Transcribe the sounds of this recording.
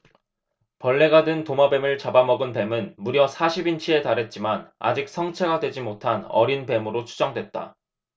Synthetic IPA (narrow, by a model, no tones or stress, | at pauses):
pʌɭːe̞ɡadɯntomabe̞mɯɭt͡ɕabamʌɡɯnpe̞mɯnmuɾjʌsʰaɕʰibint͡ɕʰie̞taɾɦe̞t̚t͡ɕ͈imana̰d͡ʑik̚s͈ʰʌŋt͡ɕʰe̞ɡadwe̞d͡ʑimotʰanʌ̰ɾinpe̞mɯɾot͡ɕʰu̥d͡ʑʌŋdwe̞t̚t͈a̰